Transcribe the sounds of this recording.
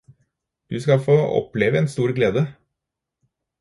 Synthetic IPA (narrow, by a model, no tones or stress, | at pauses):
d̪̥ʉskɑfoːɔ̰pleːʋəɛnst̪uːɾɡleːd̪ə